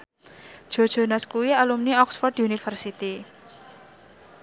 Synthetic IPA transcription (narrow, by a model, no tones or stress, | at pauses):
d̥ʒ̥o̤d̥ʒ̥o̤naskuwialumniɔksfɔrdunifərsit̪i